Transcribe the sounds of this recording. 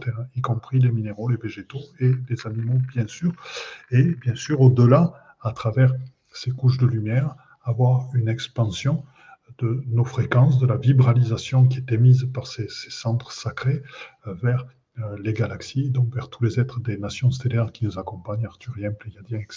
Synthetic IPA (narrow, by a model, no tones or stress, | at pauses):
t̪ɛʁɛ̃ikɔ̃pχilemineʁoleveʒet̪oelezanimobjɛ̃syʁebjɛ̃syʁod̪əla | at̪χavɛʁ | sekuʃ̬d̪əlymjɛʁ | avwaʁynɛkspɑ̃sjɔ̃ | d̪̥ənofχekɑ̃s̬d̪əlavibʁalizasjɔ̃k̬ʲiet̪ɛmizpaʁsese̥sɑ̃t̪χəsakχevɛʁ | leɡalaksied̪ɔ̃kvɛʁt̪ʰulezɛt̪χəd̪enasjɔ̃st̪elɛʁkʲinuzakɔ̃paɲaʁt̪yʁjɛ̃pleɡad̪jɛ̃ɛk